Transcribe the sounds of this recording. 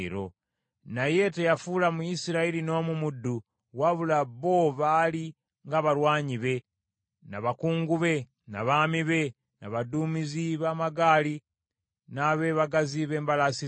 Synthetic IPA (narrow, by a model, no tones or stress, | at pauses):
ɾo̰ | naje̞tejafuːlamujisiɾailino̞ːmumudːu | waβulaβo̞βali | ŋɡaβaɾwaːɲiβe̞ | naβakuːŋɡuβe̞ | naβamiβe̞ | naβaduːmiziβamaɡaːli | naβe̞ːβaɡaziβe̞ːmbalasi